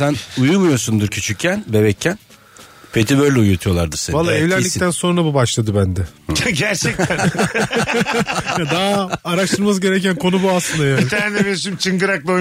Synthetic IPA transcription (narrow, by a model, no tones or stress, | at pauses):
sænujumujo̞sund̪ɯɾcʰyt͡ʃʰycʰːænbe̞bɛcʰːæn | pʰe̞t̪ʰibøjɾlʲɛujut̪ʰujo̞lˠaɾd̪ɯɾsevalˠːaɛvlʲæɾlʲic̪̚ʰænso̞nɾabubaʃlˠad̪ɯbænd̪ɛɟæɾt͡ʃʰɛc̪ʰːæ | jad̪aɦːɾaʃt̪ʰɯɾmas̬ɟe̞ɾecænkʰo̞nubuaslˠɯnd̪ajælʲt̪æɾnmeʃimt͡ʃʰɯŋɡɯɾak̚lˠao